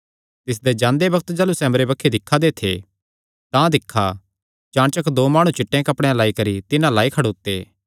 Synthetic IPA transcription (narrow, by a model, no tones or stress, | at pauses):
t̪ɪs̬d̪ed͡ʒãːnd̪ebɐɡt̪d͡ʒaːlusɛːməɾebɐkʰːed̪ɪkʰːad̪et̪ʰḛ | t̪ãd̪ɪkʰːa̰ | t͡ʃãːɽt͡ʃɐkd̪oːmaːɽ̃ũt͡ʃɪʈːẽkɐpɽ̃ealaːikɐɾit̪ɪnãlaːikʰɐɽoːt̪ːḛː